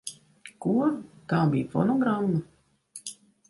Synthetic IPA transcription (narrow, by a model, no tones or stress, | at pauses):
kuɾkaːbiːfɔ̰noɡɾamːu